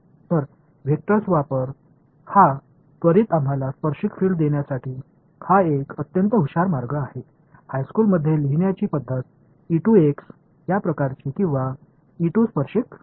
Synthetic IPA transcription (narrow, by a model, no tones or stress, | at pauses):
t̪əɾ | ʋʱek̚ʈəɾsʋapəɾ | ha | t̪ʋəɾiːt̪am̤alaspəɾɕikfiːɭɖd̪eɳjasaʈiː | haekət̪jənt̪əɦuɕaɾmaɾɡəaɦe | hajskuːlməd̪ʱːjeliɦɳjat͡ɕiːpəd̪ʱːət̪̚ | iʈueks | japɾəkaɾt͡ɕiːkĩw̃ʋa | iʈuspəɾɕik